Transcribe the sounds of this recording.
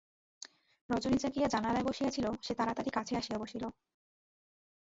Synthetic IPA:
ɾɔd͡ʑonit͡ɕakijad͡ʑanalaeboʃijat͡ɕʰiloʃet̪aɾat̪aʈikat͡ɕʰeaʃijaboʃilo

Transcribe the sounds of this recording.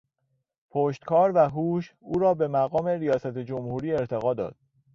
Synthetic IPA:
pʰoːʃt̪kʰɒːɾvæɦuːʃuːɾɒːbe̞mæɣɒːme̞ɾijɒːsæt̪ʰed͡ʒomhuːɾiːe̞ɾt̪ʰe̞ɣɒːd̪ɒ̰ːd̪̥̚

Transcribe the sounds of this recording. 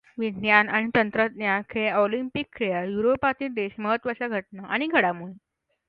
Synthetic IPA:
ʋijanaɽ̃it̪ənt̪ɾət̪njakʰeolimpikːɾijajuɾopat̪iːld̪eɕməɦət̪ːʋət͡ɕaɡʱəʈ̚naʔaɽ̃iɡʱəɽamuɭe

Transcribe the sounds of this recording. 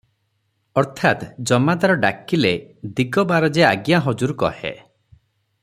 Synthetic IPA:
ɔɾt̪ʰat̪d͡ʒɔmad̪aɾɔɖa̰kiled̪iɡɔbaɾɔd͡ʒea̰ɡjaɦɔd͡ʒuɾukɔ̰hḛ

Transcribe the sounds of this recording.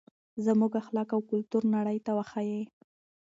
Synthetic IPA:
zəmuɡaxlɑkawkʊlt̪uɾnaɽəjt̪awaxaje

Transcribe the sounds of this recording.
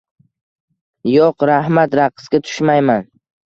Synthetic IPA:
joqɾahmat̪ɾaqʰːɨ̥sɡʲat̪ʰʊ̥ʃmajman

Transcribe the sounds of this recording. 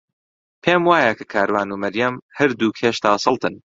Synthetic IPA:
pʰeːmwaːjɐkʰɐ̥kʰaːɾwaːnuːmɐɾjɐmhɐɾd̪uːkʰeːʃt̪aːsɨlˠt̪ʰɨn

